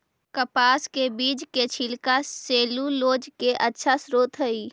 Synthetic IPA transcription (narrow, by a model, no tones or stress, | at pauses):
kəpaːskebiːd͡ʒket͡ʃʰɪlkaseːluloːd͡ʒkeʔətːʃʰasɾoːt̪ʰɦəiː